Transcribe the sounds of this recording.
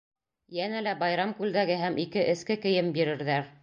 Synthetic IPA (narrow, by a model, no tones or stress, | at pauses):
jænælæbɑjɾɑmkʉld̪æɡɘɦæmʔikɘʔɘ̆skɘkɘ̆jɘmbiɾɘ̆ɾðæɾ